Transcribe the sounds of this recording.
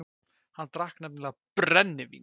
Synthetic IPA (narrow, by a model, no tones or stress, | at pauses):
hanːt̪ɾahknɛm̚nɪlapɾɛnːɪvḭn